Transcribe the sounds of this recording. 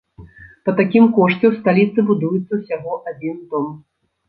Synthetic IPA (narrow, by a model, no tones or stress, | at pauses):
pɐt̪akʲimkɔʂt͡sʲɛst̪alʲit̪sɨbud̪ujut̪sːɐwsʲaɣɔʔad͡zʲint̪ɔm